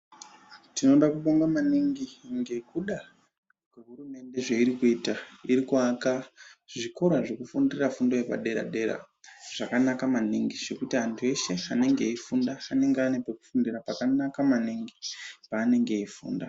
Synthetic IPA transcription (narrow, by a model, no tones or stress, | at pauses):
tino̞ɗakuɓoŋɡamaniŋɡiŋɡe̞kuɗa | kweɦuɾume̞nde̞ʐe̞iɾikuiːtaiɾikwaːkaʐiko̞ɾwaʐe̞kufundirirafundo̞jepa̰ɗe̞ɾa̰ɗe̞ɾa̰ | ʐ̥akanakamaniŋɡiʐe̞kutiɦantʰue̞se̞ane̞ŋɡe̞ifundaːne̞ŋɡeanepeku̥fundirapakanakamaniŋɡipaːne̞ŋɡe̞ifṵːnda